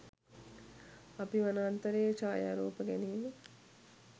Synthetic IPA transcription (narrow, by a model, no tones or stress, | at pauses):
apiʋanaːnt̪ɐɾeːt͡ʃaːja̰ːɾoːpəɡæniːme